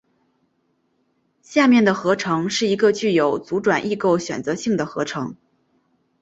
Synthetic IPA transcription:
ɕja˥˧mjɛ˥˩nd̪ə˩xɤ˧˥ʈ͡ʂʰɤ˧˥ŋʂɻ̩˥˩i˧˥ɡə˧t͡ɕy˥˩jo˨˩ʊt͡su˧˥ʈ͡ʂwa˨˩nʔi˥˧ko˥˩ʊɕɥɛ̰˨˩nt͡sɤ˧˥ɕi˥˩ŋd̪ə˩xɤ˧˥ʈ͡ʂʰɤ˧˥ŋ

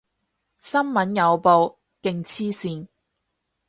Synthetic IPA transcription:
sɐ˥nmɐ˨˥njɐ˨˧wpo˨w | kɪ˨ŋt͡sʰiː˥siː˧n

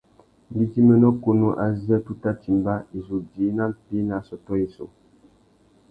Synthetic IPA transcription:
bi˦ti˦mə˦nɔ˦ko˨nu˦ʔa˨zjɛ˦tu˦ta˦ti˨m˨ba˦i˨zu˨di˨˦na˦m˨pi˦na˨˦sɔ˨tɔ˦i˨so̰˨

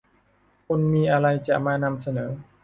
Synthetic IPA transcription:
kʰo˧nmiː˧ʔa˧ɾa˧jt͡ɕa˨˩maː˧na˧msa˧nɤː˩˦

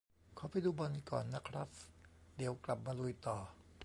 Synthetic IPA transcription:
kʰɔː˨˦pa˧jd̪uː˧bɔ˧nkɔ̰ː˨˩nːa˦˥kʰɾa˦˥p̚d̪i˨˩˦əwkla˨˩p̚maː˧lu˧jt̪ɔː˨˩

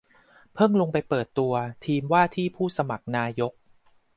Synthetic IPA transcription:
pʰɤ˥˩ŋlo˧ŋpa˧jpɤː˨˩t̪ːu˧ɐt̪ʰiː˧mwaː˥˩t̪ʰiː˥˩pʰuː˥˩sa˧ma˨˩k̚naː˧jo˦˥k̚

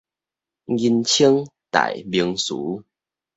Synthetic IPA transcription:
ɡi˧nt͡ɕʰi˦əŋt̪a̰˨jbi˧əŋsṵ˨˦

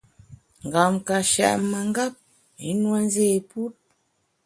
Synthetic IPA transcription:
ŋ˨ɡa˨mka˨ʃɛ̰˨ʔma˨ŋ˦ɡa˦p̚ | i˨˦nwa˦n˦ze˦˨pu˦t̚

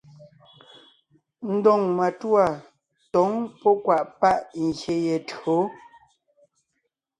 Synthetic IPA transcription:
n̩˦dɔ˦˨ŋma˨twa˦˨ | tɔ˨˦ŋpɔ˦kwa˨ʔpa˦ʔŋ̩˨ɣje˨je˨to˨˦

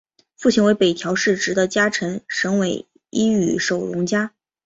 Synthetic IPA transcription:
fu˥˩t͡ɕʰi˧˥nwe˧˥ɪpe˨˩ɪt̪ʰjɑ˧˥ʊʂɻ̩˥˩ʈ͡ʂɻ̩˧˥d̪ə˧t͡ɕja˥ʈ͡ʂʰə˧˥ŋʂɤ˧˥ŋwe˨˩ɪ | i˥y̰˨˩ʂo˨˩ʊɻʊ˧˥ŋt͡ɕja˥

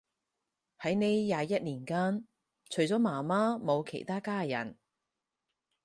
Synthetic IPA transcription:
hɐ˨˥jne˨˧jjːaː˨˧jɐ˥t̚liː˨˩nkaː˥n | t͡ʃʰɵ˨˩ɥt͡sɔː˨˥maː˨˩maː˥mo˨˧wkʰḛ˨˩jt̪aː˥kaː˥jɐ̰˨˩n

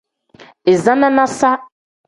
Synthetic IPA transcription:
e˨zã˦nã˦nã˦sa˦

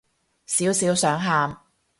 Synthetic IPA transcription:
siː˨˥wsiː˨˥wsœː˨˥ŋɦaː˧m

